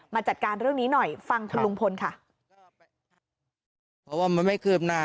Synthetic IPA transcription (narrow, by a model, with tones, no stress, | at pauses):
maː˧t͡ɕa˨˩t̪̚kaː˧nɾɯ˥˩əŋniː˦˥nɔ˨˩jfa˧ŋt̪ʰa˧lu˧ŋpʰo˧nkʰa˥˩ | pʰɔː˦˥waː˥˩ma˧nma˥˩jkʰɯː˥˩p̚naː˧˩